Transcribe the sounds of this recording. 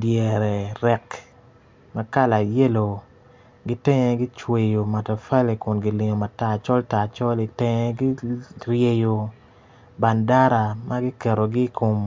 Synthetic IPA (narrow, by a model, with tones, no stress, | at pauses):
djɛ˨ɾɛ˨ɾɛ˨k | ma˦ka˦la˨je˦lo˨ | ɡi˦tɛ˦ŋɛ˦ɡi˦t͡ʃwe˨jo˨ma˨ta˨fa˦le˨kʊ˨nɡi˨lɪ˨ŋo˨ma˨ta˨t͡ʃɔ˦lta˨t͡ʃɔ˦li˨tɛ˦ŋɛ˦ɡi˦ɾje˨jo˨ | ba˨nda˦ɾa˨mʔa˦ɡi˦kɛ˨ɾo˨ɡi˦kʰo˨m